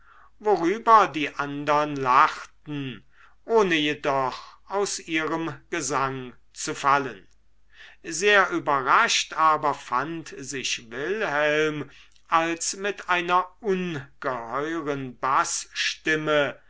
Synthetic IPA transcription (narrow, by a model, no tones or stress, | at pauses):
voʁyːbɐdiːʔandɐnlaχtn̩ | ʔoːnəjedɔχʔaʊsʔiːʁəmɡ̥əzaŋ | t͡sufalən | zeːɐʔyːbɐʁaʃtʔaːbɐfantzɪʃvɪlhɛlm | ʔalsmɪtaɪnɐʊnɡ̥əhɔʏʁənbasʃtɪmə